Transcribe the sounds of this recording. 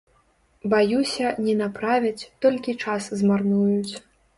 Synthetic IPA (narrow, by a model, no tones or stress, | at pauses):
bajusʲɐnʲɛnapɾavʲɐt͡sʲt̪ɔlʲkʲit͡ʂaszmarnujut͡sʲ